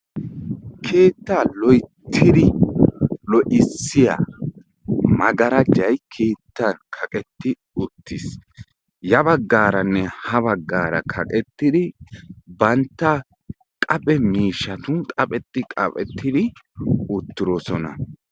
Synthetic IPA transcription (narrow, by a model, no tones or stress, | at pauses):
kʰe̞ːt̪ːaːlɔjt̪ʰːɪd̪ɪ | lɔʔɪsːɪja̰ | mɐɡɐɾɐd͡ʒɐjkʰe̞ːt̪ːɐnkʰɐkʼɛt̪ːɪ | ʊt̪ːɪs | jɐbɐɡːaːɾɐnːɛhɐβɐɡːaːɾɐ̰kʰɐkʼɛt̪ːɪd̪ɪbɐnt̪ːɐ | kʼɐpʼɛmiːʃːɐt̪ʊnkʼɐpʼɛt̪ːɪkʼɐpʼɛt̪ːɪd̪ɪʊt̪ːɪɾosɔnɐ̰